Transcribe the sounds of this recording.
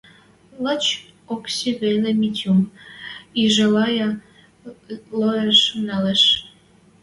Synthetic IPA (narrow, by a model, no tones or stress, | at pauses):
lət͡ɕ | oksiβelemitʲum | iʒelɑjɑ | lojeʃnɑleʃ